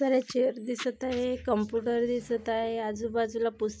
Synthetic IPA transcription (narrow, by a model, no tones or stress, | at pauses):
əɾat͡ɕeəɾd̪isət̪aɦekəmpjuʈəɾd̪isət̪ajead͡zubad͡zulapus